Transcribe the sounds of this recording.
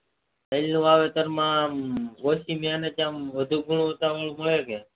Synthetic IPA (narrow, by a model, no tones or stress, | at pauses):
əjlnũaʋet̪əɾmãɡosimjaːnet͡ʃãmʋəd̪ʱuɡʱuɳ̃ũət̪aʋəɭũməɭeke